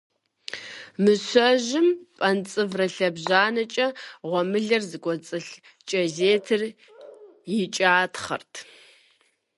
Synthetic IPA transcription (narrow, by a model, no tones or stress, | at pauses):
mɨɕʷɐʒɪmpʼɐnt͡sʼɨvrɐɬɐbʑaːnɐt͡ʃʼɐʁʷɔmɨɮɐrzɨkʷɔt͡sʼɨɬ | t͡ʃʼɐzeːtʰɨr | jɪt͡ʃʼaːtʰχɐ̰rtʰ